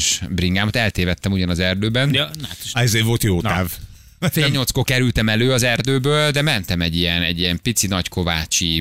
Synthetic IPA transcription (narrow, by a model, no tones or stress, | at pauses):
ʃbriŋɡaːmɒt̪ɛlt̪eːvɛt̪ːɛmuɟɒnɒzɛrd̪øːbɛnat̪ʃɛzeːvo̞lt̪joːt̪aːv | feːlɲːot̪skokɛɾylt̪ɛmɛløːɒzɛrd̪øːbøːld̪ɛmɛnt̪ɛmɛɟːijɛnɛ̰ɟːijɛmpit̪sinɒckʰo̞vaːt͡ʃi